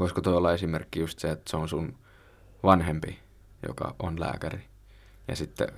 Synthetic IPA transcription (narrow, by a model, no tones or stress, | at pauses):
ʋoiskot̪oiolːɑesimerkːijust̪seet̪ːseonsun | ʋɑnhempi | jo̰kɑ̰ʔonlæ̰ːkæri | jɑ̰sit̪ːḛ